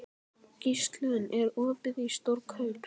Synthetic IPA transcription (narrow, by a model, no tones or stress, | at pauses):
cist̪lʏnɛɾɔːvɪðist̪oɾkhœɥp